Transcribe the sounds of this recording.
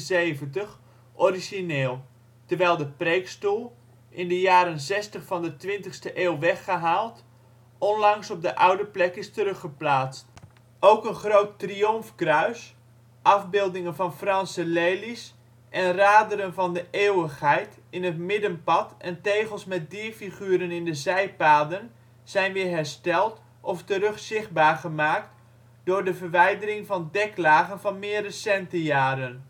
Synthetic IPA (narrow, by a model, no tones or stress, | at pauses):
zeːvəntəχ | ʔoriʒineːlˠ | tərʋɛjlˠdəprekstulˠ | ʔɪndəjaːɾənzɛstəχfɑndətʋɪntəχstəʔeːlˠʋɛχəɦaːlˠt | ɔnlɑŋsɔp̚dəʔʌwdəplɛkɪstərɵχəplaːt͡st | ʔowkənχrowtːriomfkrœɥs | ʔɑvbɪːlˠdɪŋənvɑnfrɑnsəlejlis | ʔɛnraːdəɾənvɑndəʔeːwəχɦɛjt | ɪnətmɪdənpɑtɛnteːχəlˠsmɛt̚diːfiχyːɾənɪndəzɛjpaːdən | z̥ɛjnʋɪːɹɦɛrstɛlˠt | ʔɔftərɵχsɪχ̚baːɹχəmaːk̚t | d̥ʊːɹdəvərʋɛjdərɪŋvɑndɛklaːɣənvɑnmɪːədəsɛntəjaːɾən